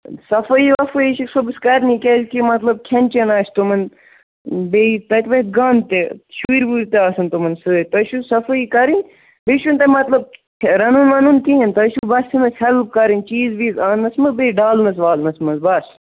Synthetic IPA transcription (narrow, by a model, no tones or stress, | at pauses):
sɐfɐiʋɐfɐiʃiksobɨskɐɾnikʲelʲkimɐt̪lɐb̚kʰɐnʲt͡ʃɐnaːʃt̪omɐn | beit̪ɐt̪ʲʋɐt̪̚ɡaːnt̪eʃuɾbuːɾt̪eaːsɐnt̪omɐnsɨt̪ɐʃusɐfɐiːkɐɾinʲ | beːʃunt̪ɐmɐt̪lɐb̚ʰ | ɾɐnunʋɐnunkiɦint̪ɐʃubɐsinɐshɐlb̚kɐɾint͡ʃiːzbiːzaːnɐsmɨbeiɖaːlnɐs̬ʋaːlnɐsmɐzbɐs